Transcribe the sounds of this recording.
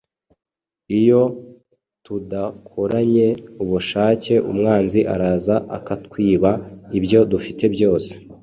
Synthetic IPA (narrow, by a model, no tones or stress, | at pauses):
ijo̞ | tudakʰoɾaɲe̞uβuʃaːce̞ʔṵmŋaːnziʔa̰ɾaːzaʔa̰katkwiːβaiβjo̞dufite̞bjo̞ːse̞̥